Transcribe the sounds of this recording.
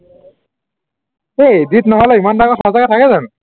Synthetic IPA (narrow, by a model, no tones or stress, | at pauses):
ejdit̪nɔɦɔlɛimandaɡɔtʰɔzaɡatʰakɛzan